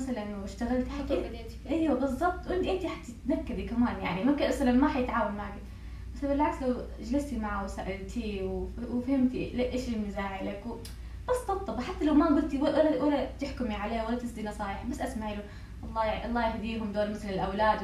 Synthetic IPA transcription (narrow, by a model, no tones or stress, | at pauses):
masalanɪʃt̪aɣalt̪ħat̪ː | ʔajwabɨzˤːɑb̚t̪ˤwʔɪnd̪ʔiːt̪iħat̪ːat̪nakːad̪ikamaːnja̰ʕnimakːaʔasalanmaħajɪt̪ʕaːwalmaʕki | basabɪlʕakslaw | d͡ʒlɪst̪imaʕawsaʔalt̪ʰiwwfahɪmt̪ilʔeːʃɪlmɪzaːʕɪlakw | bɨzˤɑbt̪ˤːɑbħat̪ːalawmaɡʊlt̪iwaalawalːat̪ɪħkʊmiʕaleːhwalːat̪ɪsd̪inɑsˤɑːjɪħabasːʔasmaʕɪlu | ʔɑlˤːɑːʔɑlˤːɑːjahd̪iːɦʊmd̪oːɾmɪθlɪlʔawlaːd̪